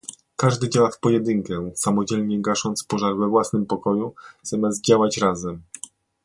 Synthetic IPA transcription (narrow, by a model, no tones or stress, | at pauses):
kaʐd̪ɘd͡ʑawafpɔjɛd̪ɘŋkɛsamɔd͡ʑɛlɲɛɡaʂɔnt̪spɔʐaɾvɛvwasnɘmpɔkɔjuz̥amʲjazdt̪̚d͡ʑawat͡ɕɾazɛm